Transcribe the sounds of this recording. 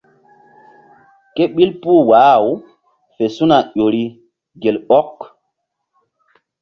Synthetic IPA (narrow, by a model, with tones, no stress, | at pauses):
ke˦ɓi˦lpuː˦waː˨˦˨w | fe˨su˦na˨ʄo˨ɾi˦ | ɡe˨lɓɔ˦k